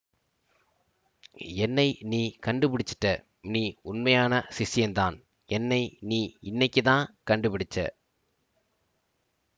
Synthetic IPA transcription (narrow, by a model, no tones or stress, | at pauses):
ɛnːɐɪniːkɐɳɖɯpɪɽɪt͡ʃːɪ̥ʈːɐ | niːʊnmɐjaːnɐsɪsɪjɐnt̪aːn | ɛnːɐɪniːɪnːɐɪkːɯt̪ãːnkɐɳɖɯpɪɽɪt͡ʃːɐ̰